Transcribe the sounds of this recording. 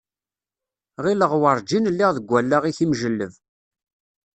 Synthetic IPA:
ʁiləʁwəɾˤd͡ʒinlːiʁðəɡʷælːaʁiθimʒəlːəv

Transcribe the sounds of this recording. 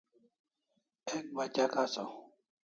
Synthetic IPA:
ek̚bat͡ʃakasɔ

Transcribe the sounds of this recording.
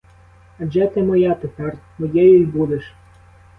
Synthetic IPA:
ɐd͡ʒɛt̪ɪmɔjat̪ep̪ɑrmɔjɛjʊjbud̪eʃ

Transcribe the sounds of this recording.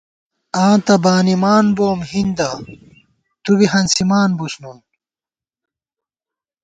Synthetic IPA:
ãːt̪ɐbaːnimaːnboːmhind̪ɐ | t̪ubiɦɐnsimaːnbusnum

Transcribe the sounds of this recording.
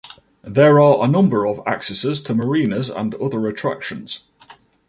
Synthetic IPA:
ðəɹəɹʔənʊ̃mbəɹəva̰ksɛsɪz̥tʰəməɹĩːnəzə̰̃nʊðəɹətʰɹ̥a̰kʃə̃nz̥

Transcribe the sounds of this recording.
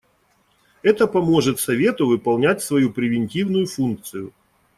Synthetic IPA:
ɛt̪əpɐmo̞ʐɨt̪sɐvʲe̞t̪ʊvɨpɐlˠnʲætʲsvɐjupɾʲɪvʲɪnʲtʲivnʊjʊfunk̚t̪sɨjʊ

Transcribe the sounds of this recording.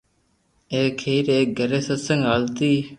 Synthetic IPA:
eːkʰeːɾeːk̚ɡəɾeːsəsə̃ŋɡaːlt̪iː

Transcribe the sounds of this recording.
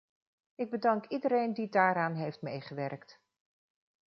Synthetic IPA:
ɪɡ̚bədɑŋkidəɾejndidaːɾaːnɦejftmejχəʋɛrkt

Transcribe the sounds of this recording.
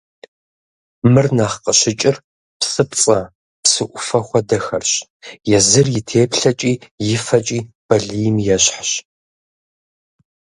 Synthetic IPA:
mɨrnaχqəɕɪt͡ʃʼɪr | psʼɨpt͡sʼɐ | psɨʔʷʊfɐxʷɔdɐxɐrɕ | jɛzɨrjɪtʰeːpɬɐt͡ʃʼiːjɪfɐt͡ʃʼiːb̥ɐɮiːjmjɛɕħɕ

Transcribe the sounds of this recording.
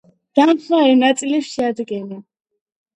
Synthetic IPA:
d̪̥amχlaɛɾnat̪sʼiliʃiad̪ɡɛna

